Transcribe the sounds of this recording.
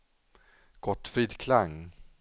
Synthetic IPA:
ɡ̥ɔt̪ːfɾiːd̪kʰlaŋː

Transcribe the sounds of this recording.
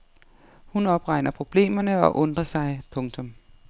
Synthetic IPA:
hunɒ̽b̥ʁɑ̈ɪ̰nɐpʰʁo̝b̥le̝̰ːmɐnəɒ̽ʔɔ̽nd̥ʁɐsɑ̈ɪpʰɔ̽ŋt͡sʰɔ̽m

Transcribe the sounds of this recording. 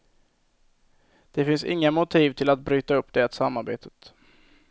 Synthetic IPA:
d̪̥ɛfɪnsɪ̰ŋːamʊt̪ʰiːvt̪ʰɪlat̪̚bɾyːt̪aɵpːd̪̥ɛat̪samːaɾbḛːt̪ʰə̥t̪

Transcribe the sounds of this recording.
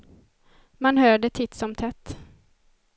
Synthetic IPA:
manɦœːɖət̪ʰɪt̪sɔmt̪ʰɛt̪ː

